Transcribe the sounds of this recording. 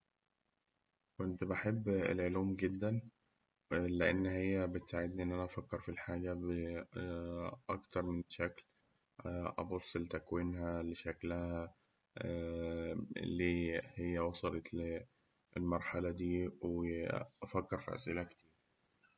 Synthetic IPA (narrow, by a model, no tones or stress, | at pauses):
kont̪baħebːḛlʕoluːmɡed̪ːæn | leʔenːhejːæbet̪saʕed̪niʔenːʔænæʔæfækːeɾfilħaːɡæbe | ʔɑkt̪ɑɾˤmenʃækl | ʔɑ̰bosˤːlt̪ækwiːnhæleʃæklæhæ | leːhejːæwɑsˤɑlɑt̪ | elmɑɾˤħɑlɑd̪iːweʔæfækːeɾfḭʔæ̰sʔelæke̥t̪iːɾ